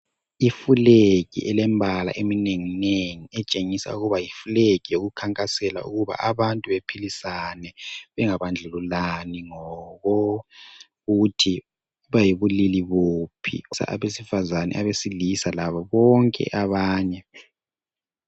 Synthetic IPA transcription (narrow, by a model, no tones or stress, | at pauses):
ifulekḭʔɛlɛmbʱala̰ʔemineŋineŋiɛt͡ʃʼeŋisa̰uɣuβajifulekijoɣukʰaŋkʼasɛla̰uɣuβa̰ʔaβantʼuβepʰilisanɛβɛŋaβand͡ɮʱɛlulaniŋɔɣɔ | ɣutʰi | βajiβuliliβopʰḭsa̰ʔa̰βesifazanɛ̰ʔaβesilisalaβaβɔŋkʼɛ̰ʔaβaːɲɛ